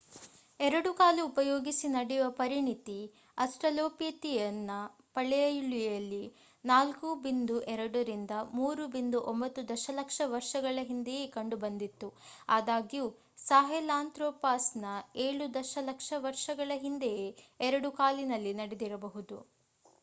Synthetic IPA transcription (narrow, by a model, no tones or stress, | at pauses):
ɛɾɐɽukaːliːpɐjoːɡisinɐɽɛuʋɐpɐɾiɳit̪i | ɐsʈɾɐloːpet̪ijɐnːɐ | pɐɭɛɐjɭijɐlːi | naːlkubind̪uʔɛɾɐɽɐɾind̪ɐmuːɾubind̪uʔombɐt̪ːud̪ɐʃɐlɐkʂɐʋɐɾʂɐɡɐɭɐɦind̪ejekɐɳɖubɐnd̪it̪ːuaːd̪aːɡijuː | saːɦɛlaːnt̪ɾoːpaːsnɐeːɭud̪ɐʃɐlɐkʂɐʋɐɾʃɐɡɐɭɐɦind̪ejeːɛɾɐɽukaːlinɐlːinɐɽed̪iɾɐbɐɦud̪u